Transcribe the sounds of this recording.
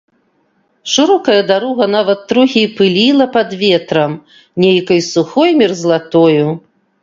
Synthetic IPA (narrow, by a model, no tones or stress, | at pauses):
ʂɨɾɔkɐjɐd̪aɾɔɣɐnavɐt̪ːɾuɣʲipɨlʲilˠɐpɐd̪vʲɛt̪ɾɐm | nʲejkɐjsuxɔjmʲirzlˠat̪ɔju